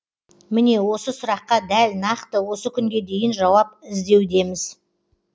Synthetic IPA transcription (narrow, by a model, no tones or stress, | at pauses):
mɪne̞wo̞səsʊɾɑqːɑd̪ælnɑqt̪əwo̞səkʲʰʏŋɡʲe̞d̪e̞jɪnʒɑwɑpɪzd̪e̞wd̪e̞mɪz̥